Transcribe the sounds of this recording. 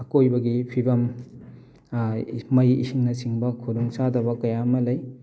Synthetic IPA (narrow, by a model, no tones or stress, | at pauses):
ɐkojbɐɡipʰibɐm | mɐjḭsiŋnɐsiŋbɐkʰoduŋsadɐβɐkɐjamɐlɐj